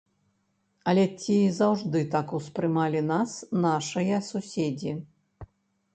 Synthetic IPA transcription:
ɐlʲɛt͡sʲiːzawʐd̪ɨt̪akuspɾɨmalʲinasnaʂɐjɐsusʲed͡zʲi

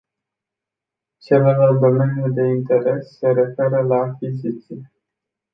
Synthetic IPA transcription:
t͡ʃelelalt̪̚d̪o̞me̞nʲjud̪e̞int̪e̞ɾe̞sːe̞ɾe̞fe̞ɾəlaːkkʲizit̪sije

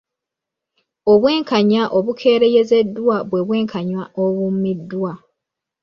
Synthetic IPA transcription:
o̞βwe̞ːŋkʰaɲaʔo̞βukʰe̞ːɾeje̞ze̞dːwaβwe̞βwe̞ːŋkʰaɲwaoβumidːwa

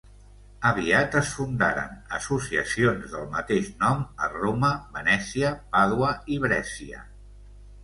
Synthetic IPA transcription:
əβ̞iat̪əsfund̪a̰ɾə̰nəsusiə̰sionzðəlˠmət̪eʃnɔməroməβənɛsiəpaðwəiβɾɛsiə̰

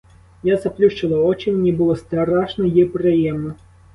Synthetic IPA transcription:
jazɐplʲuʃt͡ʃɪlˠɐɔt͡ʃɪmʲnʲibʊlˠɔst̪ɐɾɑʃnɔjipɾɪjɛmnɔ

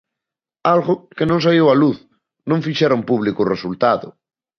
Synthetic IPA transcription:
alɣʊkenõŋs̬aewaluθ | nõŋfiʃɛɾoŋpuβlikʊresult̪aðʊ̰

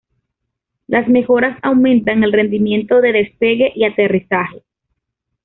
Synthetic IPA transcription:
lʔasme̞xo̞ɾasawmẽ̞nt̪aŋe̞lre̞nd̪imje̞nt̪o̞ðe̞ðe̞spe̞ɣe̞ʔiat̪e̞risaxe̞

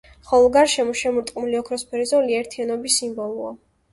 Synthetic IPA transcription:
χɔlˠɔɡaɾʃɛmɔʃɛmuɾt̪ʼqʼnuliɔkʰɾɔspʰɛɾizɔliɛɾt̪ʰianɔbisːimbɔlˠua̰

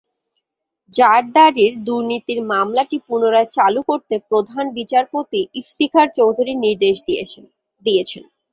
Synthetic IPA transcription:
d͡ʑaɾd̪aɾiɾd̪uɾnit̪iɾmamlaʈipunoɾaet͡ɕalukoɾt̪epɾod̪ʱanbit͡ɕaɾpot̪iift̪ikʰaɾt͡ɕowd̪ʱuɾiniɾd̪eʃd̪ | d̪ijet͡ɕʰen

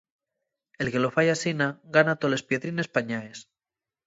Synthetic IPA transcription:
e̞lke̞lo̞fajasinaɡanat̪ole̞spjeðɾine̞spaɲaes

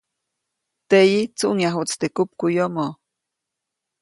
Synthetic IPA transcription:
t̪ejit͡suʔŋjaɦut͡st̪ekup̚kujomo

